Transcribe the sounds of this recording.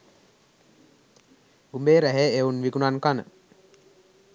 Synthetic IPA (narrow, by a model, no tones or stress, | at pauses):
umbeːɾæɦeeunʋikunankanə̰